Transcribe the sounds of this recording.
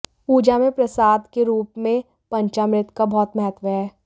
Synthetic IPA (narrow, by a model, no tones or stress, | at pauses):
uːd͡ʒamẽpɾɐsaːd̪keɾuːpmẽ | pɐ̃ɲt͡ʃamɾɪt̪kabɔːt̪mɐɦət̪ʋəɦɛː